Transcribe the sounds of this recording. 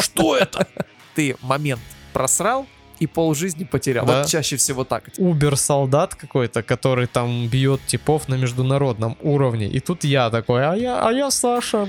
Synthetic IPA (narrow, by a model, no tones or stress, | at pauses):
ʂt̪oɛt̪ə | t̪ɨmɐmʲe̞nt̪pɾɐsɾalˠ | ipolˠʐɨzʲnʲɪpətʲɪɾʲa̰lvot̪t͡ɕæɕːɪfsʲɪvo̞t̪a̰kubʲɪrsɐlˠd̪at̪kɐko̞jt̪əkɐt̪o̞ɾɨjt̪ambʲjo̞t̪tʲɪpo̞fnəmʲɪʐd̪ʊnɐɾo̞d̪̚nəmuɾəvnʲɪ̰ʔit̪ut̪jat̪ɐko̞jɐjaʔɐ̰jasaʂə